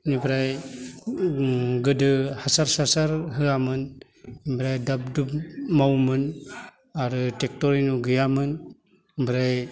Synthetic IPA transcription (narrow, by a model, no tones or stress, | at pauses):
nibɾaj | ɡɯdɯhasaɾsasaɾɦɯamɯn | ibɾajdap̚dupmawmɯn | aɾɯtek̚toɾinuɡɯjamɯn | bɾaj